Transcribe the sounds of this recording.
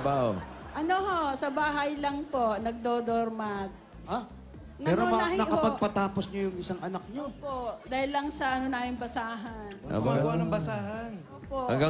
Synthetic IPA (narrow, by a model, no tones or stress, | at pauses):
baw | ʔɐnohosɐbaːɦɐjlɐŋpo̞ʔnɐɡ̚d̪oːd̪oɾmat̪̚ | ʔa | nɐɛːɾnɾoɐahɪnɐkɐopɐɡ̚pɐt̪aːposɲojʊŋɪsaŋɐnak̚ɲopoʔd̪aːhɪlːɐŋsɐʔɐnonaːjoŋbɐsaːɦɐna̰baɐnɐŋbɐsaːɦɐnʔoːpoʔhɐ̰ŋɡa